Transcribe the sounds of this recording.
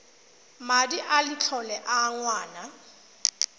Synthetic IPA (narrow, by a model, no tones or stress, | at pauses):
madiʔalɪt͡ɬʰɔlɛʔaŋwaːna